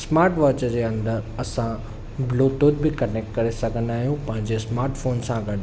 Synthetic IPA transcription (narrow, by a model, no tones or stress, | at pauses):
smaːɾʈʋɔːt͡ɕəd͡ʑeːɐ̃nd̪əɾɐsã | bloːt̪oːd̪̚bɪkɐneːk̚ʈkɐɾesɐɡʱə̃nd̪aːɦijũpɐ̃ɦɪ̃ɲd͡ʑesmaːɾʈfoːnsãɡɐɖ